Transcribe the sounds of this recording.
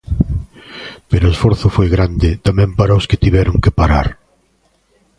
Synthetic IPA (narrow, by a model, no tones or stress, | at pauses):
peɾʊesfɔɾθʊfojɣɾand̪ɪt̪amɛ̃mpaɾaoskɪt̪iβɛɾʊŋkɪpaɾaɾ